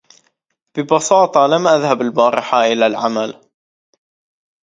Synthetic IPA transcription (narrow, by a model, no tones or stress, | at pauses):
b̥ɪbɑsɑːt̪ˤɑlamʔaðhabalbɑːɾɪħaʔɪlalʕamal